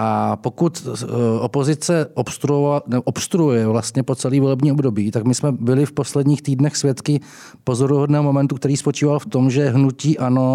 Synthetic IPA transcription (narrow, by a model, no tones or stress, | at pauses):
ʔapokut̪ʔopo̞zɪt͡sɛʔopst̪ɾuonɛboʔopst̪ɾuujɛvlast̪ɲɛpo̞t͡sɛliːvo̞lɛbɲiːobdo̞biːt̪akmɪsmɛbɪlɪfpo̞slɛdɲiːxt̪iːdnɛxsvjɛt̪kɪ | po̞zoɾuɦodnɛːɦomo̞mɛnt̪ukt̪ɛɾiːspo̞t͡ʃiːvalft̪o̞mʒɛɦnuciːʔano̞